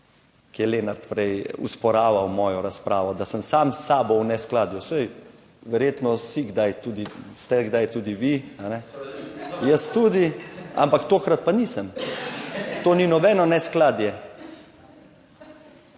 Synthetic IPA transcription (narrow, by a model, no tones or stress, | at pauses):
kijɛleːnaɾt̪pɾɛjṵspɔɾaːʋawmɔːjɔɾaspɾaːʋɔd̪asəmsaːmsaːbɔwnɛsklaːd̪jusɛj | ʋɛɾjeːt̪nɔsiɡd̪ajt̪uːd̪ist̪ɛɡd̪ajt̪uːd̪iʋianɛ | jəst̪uːd̪ia̰mpakt̪oːkɾat̪̚paniːsəm | t̪oːninɔbɛnɔnɛsklaːd̪jɛ